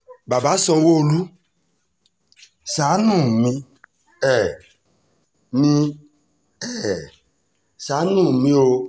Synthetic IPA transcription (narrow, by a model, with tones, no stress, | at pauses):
ba˨ba˨˦sɔ̃˧˦wo˦˨lu˦ | sa˨˦nũ˦˨mĩ˧˦ | ɛ˨ | mĩ˧ | ɛ˦˨ | sa˨˦nũ˦˨mĩ˦o˧